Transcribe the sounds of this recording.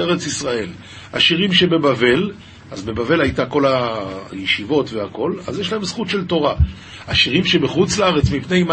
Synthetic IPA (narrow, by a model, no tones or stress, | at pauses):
eʁet͡sisʁae̞l | ha̰ʃiʁimʃebe̞bave̞l | azbe̞bave̞lajtako̞lajeʃivo̞tve̞ako̞la̰zjeʃlae̞msχutʃelto̞ʁa | haʃiʁimʃebeχut͡slaaʁe̞t͡smipne̞jm